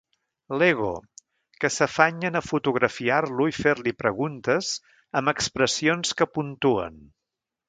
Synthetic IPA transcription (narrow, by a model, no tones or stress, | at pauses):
leɣ̞o̰ | kəsəfaɲənəfut̪uɣɾəfiarluifeɾlipɾəɣunt̪əz | əməkspɾəsionskəpunt̪uə̰n